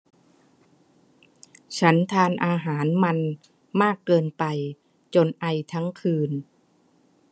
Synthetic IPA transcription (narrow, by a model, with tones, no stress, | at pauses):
t͡ɕʰa˦˥nt̪ʰaː˧nʔaː˧ɦaː˩˦nma˧n | maː˥˩kːɤː˧npa˧j | t͡ɕo˧nʔa˧jt̪ʰa˦˥ŋkʰɯː˧n